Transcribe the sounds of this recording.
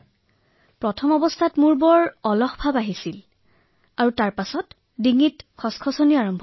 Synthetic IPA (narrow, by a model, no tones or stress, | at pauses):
pɹɔtʰɔmɔbɔstʰatmuɹbɔɹɔlɔxbʱabaɦisil | aɹutaɹpasɔt | diŋitkʰɔskʰɔsɔniaɹɔmbʱ